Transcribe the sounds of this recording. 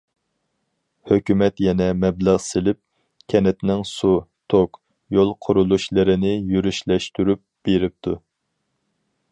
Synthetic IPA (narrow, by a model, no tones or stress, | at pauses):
høkʲymɛt̪jɛnɛmɛbləʁsɪlɪp̚ | kʲʰɛnɛt̪nɪŋsut̪ʰok | jolˠqʰʊɾulˠuʃlˠɨɾɪnɪjyɾyʃlɛʃt̪yɾyp̚b̥eɾɪp̚t̪ʰu